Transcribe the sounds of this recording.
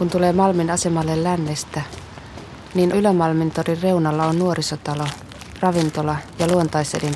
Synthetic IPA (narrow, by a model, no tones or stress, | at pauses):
kunt̪ule̞ːmɑlminɑse̞mɑlːellænːest̪æ | niːnylæmɑlmint̪orirre̞unɑlːɑonnuo̞ɾisot̪ɑlo̞ | rɑʋint̪olɑjɑluont̪ɑjselin